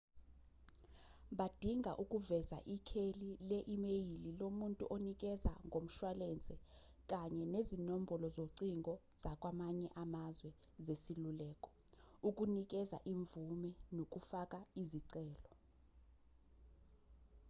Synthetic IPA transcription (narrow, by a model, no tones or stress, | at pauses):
ɓad̥ʱiŋɡʱaʔukʼuvɛza̰ʔikʰelilɛʔimejililomuntʼuʔonik̬ʼɛza̰ŋʱom̩ʃwalɛnd͡zʱɛ | k̬ʼaɲɛnezinom̩bʱɔlɔzoǀiŋɡɔ | z̥akʼwamaɲɛʔamazwɛ | zesilulɛːkʼɔ̥ | uk̬ʼunik̬ʼɛza̰ʔiɱvumɛnok̬ʼufakʼaiziǀɛːlɔ